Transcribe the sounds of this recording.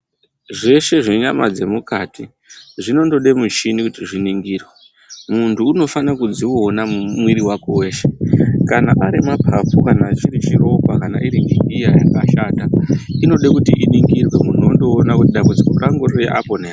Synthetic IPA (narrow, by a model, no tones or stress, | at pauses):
ʐe̞ʃe̞ʐe̞ɲama̰d͡ze̞mukati | ʐino̞ndo̞ɗemut͡ʃinikutiʐiniŋɡiːrwe | muntʰuːno̞fanakud͡ziːnamumwiɾiwako̞we̞ːʃe̞̥kanaʔaɾimapʰafukanaːt͡ʃiɾit͡ʃiro̞kakana̰ʔiɾiŋɡiŋɡijaja̰kaʃaːtaino̞ɗekutiʔiniŋɡirwe̞muno̞ndo̞ːnakutiɗambud͡zikuraŋɡoriḛʔa̰ponea